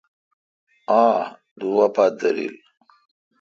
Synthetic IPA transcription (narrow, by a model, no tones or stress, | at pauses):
aː | d̪uwapat̪̚d̪ɐɾḭl